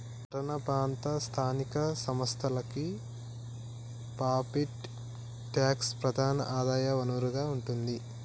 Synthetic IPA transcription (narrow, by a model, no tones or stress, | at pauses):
pɐɾɐnɐpɾaːnt̪ɐst̪ʰaːnikɐsɐmɐst̪ʰɐlɐki | paːpiʈ | ʈjaːkspɾɐd̪ʱaːnɐ̰ʔaːd̪aːjɐʋɐnuʋɐɾuɡaːuɳʈund̪i